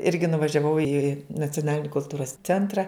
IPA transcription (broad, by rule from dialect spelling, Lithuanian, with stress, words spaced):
ˈɪrʲɡʲɪ nʊʋɐʒʲɛˈʋɐʊ ɪ nɐt͡sʲoːˈnɑːlʲɪnʲɪ kʊlˠˈtuːroːs ˈt͡sʲɛntrɐ